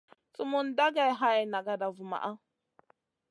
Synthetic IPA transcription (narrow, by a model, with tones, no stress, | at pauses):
t͡sʼu˦mu˦nda˦ɡa˨jɦa˦jna˨ɡa˨da˨vu˨ma̰˨ʔa˦